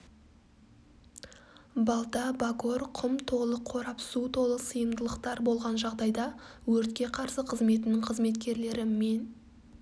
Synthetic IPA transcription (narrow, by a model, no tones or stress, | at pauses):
bɑlˠt̪ɑbako̞ɾqʰʊmt̪ʰo̞lˠəqʰo̞ɾɑpsut̪ʰo̞lˠəsəjəmd̪əlˠəqt̪ɑɾbo̞lˠʁɑnʒɑʁd̪ɑjd̪ɑwɵɾt̪kʲe̞qʰɑɾsəqʰəzme̞t̪ɪnɪɴqʰəzme̞t̪kʲe̞ɾle̞ɾɪmːe̞n